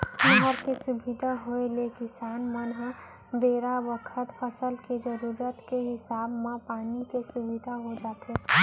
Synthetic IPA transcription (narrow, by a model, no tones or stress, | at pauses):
hə̃ɦəɾkesʊbɪd̪ʱaɦoelekɪsaːnmənɦ | beːɾaʋəkʰət̪pʰəsəlked͡ʒəɾuːɾət̪keɦɪsaːbmãpaːnikesʊbɪd̪ʱaɦod͡ʒaːt̪e